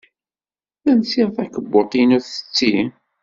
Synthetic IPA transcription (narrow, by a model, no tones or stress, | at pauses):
θænsiʁθækəbːot̪ˤinuɾθə̥t͡sːi